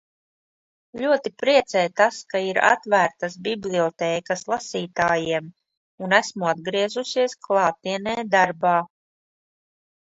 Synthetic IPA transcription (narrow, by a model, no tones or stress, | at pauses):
lʲuɔt̪ipɾiɛt̪sɛjt̪askaiɾa̰t̪væːɾt̪as̬bʲiblʲˠiɔt̪ɛːkaslˠasiːt̪aːjiɛm | unæsmuad̪ɡɾiɛzusiɛsklˠɑːt̪iɛnɛːd̪aɾbaː